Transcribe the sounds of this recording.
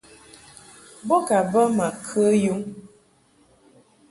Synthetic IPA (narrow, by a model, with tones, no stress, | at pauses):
bɔ˦ka˨bə˦ma˨kʰə˦ju˦ŋ